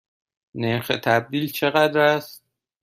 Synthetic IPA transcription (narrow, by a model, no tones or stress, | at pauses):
neɾxet̪ʰæb̚d̪iːlt͡ʃʰe̞ɣæd̪ɾæst̪